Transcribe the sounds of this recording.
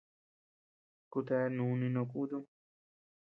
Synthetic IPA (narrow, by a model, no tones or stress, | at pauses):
kut̪ɛːnuːninokud̪u